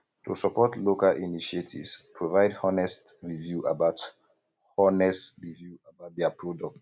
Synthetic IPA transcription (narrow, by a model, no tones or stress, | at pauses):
tusɔpɔtlokalʔiniʃetʰḭvspʰɹovaɪdhɔnɛstɹivjuʔabaʊt | hɔnɛstɹivjuabat̚dɛapʰɹodɔk̚t